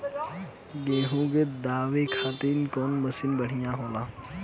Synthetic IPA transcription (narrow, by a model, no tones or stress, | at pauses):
ɡeːɦũɡed̪aːʋekʰaːt̪iːnkɔːnmɐsɪnbəɽ̤ijãɦoːlaː